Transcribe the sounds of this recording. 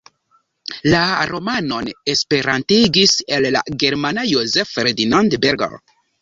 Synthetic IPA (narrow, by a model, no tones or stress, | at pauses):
laɾo̞mano̞nespeɾantiɡisella̰ɡeɾmanajozefɾed̪inandbeɾɡa̰